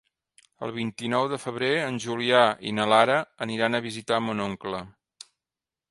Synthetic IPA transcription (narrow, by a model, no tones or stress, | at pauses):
ə̰lˠβint̪inɔwðəfəβ̞ɾeənʲʒuliaḭnəlaɾəːniɾanəβizit̪amunoŋklə